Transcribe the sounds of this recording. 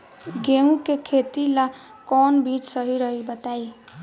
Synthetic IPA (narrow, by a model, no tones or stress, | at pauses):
ɡeũkekʰet̪ila | kɔnbit͡ʃsəɦiɾəɦibət̪ai